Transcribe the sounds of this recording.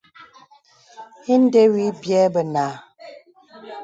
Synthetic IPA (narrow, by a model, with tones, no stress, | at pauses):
i˦n̩˦de˦wi˨˦bjɛ˦bə˨naː˨